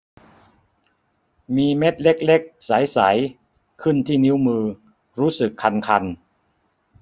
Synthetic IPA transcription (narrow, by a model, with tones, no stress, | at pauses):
miː˧me˦˥t̪̚le˦˥k̚le˦˥k̚sa˩˦jsa˩˦j | kʰɯ˥˩nt̪ʰiː˥˩ni˦˥wmɯː˧ | ɾuː˦˥sɯ˨˩kʰːa˧nkʰa˧n